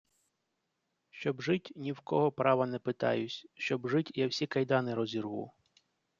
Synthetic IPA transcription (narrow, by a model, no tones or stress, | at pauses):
ʃt͡ʃɔbʒɪtʲnʲiwkɔɦɔpɾɑʋɐnɛpɪt̪ɑ̰jʊsʲʃt͡ʃɔbʒɪtʲjawsʲikɐjd̪ɑnɪɾɔzʲirɦṵ